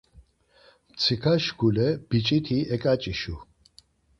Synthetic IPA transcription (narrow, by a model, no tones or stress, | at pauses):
t͡sʰikʰaʃɡulɛb̥it͡ʃʼit̪ʰiɛkʼat͡ʃʼiʃu